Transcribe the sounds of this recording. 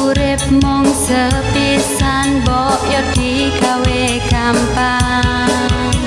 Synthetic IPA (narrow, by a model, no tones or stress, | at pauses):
uɾɪp̚mʊŋ̥z̥əpisanbɔʔjɔd̪̥i | kaweɡ̥ampa